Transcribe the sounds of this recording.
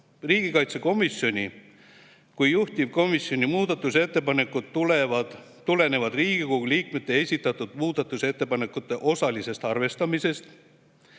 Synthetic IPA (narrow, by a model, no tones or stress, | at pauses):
riːɡ̥ikɑjt̪se̞ko̞misjo̞nʲi | kujjuht̪ib̥̚ko̞misjo̞nʲimuːd̪ɑt̪ːˑuse̞t̪ːe̞pɑne̞kːˑud̪̥ulevɑd̪̥ | t̪ule̞ne̞vɑd̪riːɡ̥ikoɡuliːkme̞t̪ːˑe̞e̞sʲit̪ːˑɑt̪ːˑud̪̥muːd̪̥ɑt̪ːˑuse̞t̪ːe̞pɑne̞kːˑut̪ːˑe̞ʔo̞sɑlise̞st̪ɑrve̞st̪ɑmise̞st̪